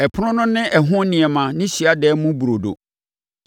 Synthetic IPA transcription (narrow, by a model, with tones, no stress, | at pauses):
ɛ˨pʰʊ˦nʊ̃˦nʊ̃˦nɪ̃˦ʔɛ˨ɦʊ̃˦nɪ̃˨ɛ˨mã˨nɪ̃˦ɕi˨a˦dɛː˨˦mũ˦bu˨ɾo˨do̰˨